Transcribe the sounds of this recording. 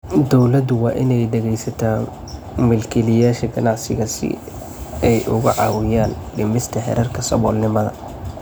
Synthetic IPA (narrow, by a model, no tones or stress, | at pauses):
d̪ɔwlɐd̪ʊwɑːʔɪnɛjdɛɣɛjsɐt̪ʰa | mɪlkɛlɪjaːʃɐɡɐnɑʕsɪ̰ɣɐsɪ̰ | ɛjʔʊ̰ɣʊʕɑ̰ːwɪjaːnɖɪmɪst̪ʰɐhɛ̰ɾʔɐrkʰɐsɐ̰βɔːlnɪmɐðɐ̰